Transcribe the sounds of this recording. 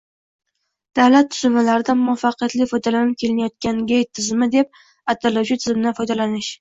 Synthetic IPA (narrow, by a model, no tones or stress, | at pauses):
d̪̥awlat̪ʰːʊ̥zʊmalaɾɪd̪amʊafːaqɨjat̪lɪfɒjd̪alanɪp̚kʲʰe̞lɪnajɒt̪̚kʲanɡʲejt̪ʰːɪzɪmɪd̪e̞p̚ | at̪ʰːalawt͡ʃʰɪt̪ʰɪzɪmɪnɪfɒjd̪alanɪʃ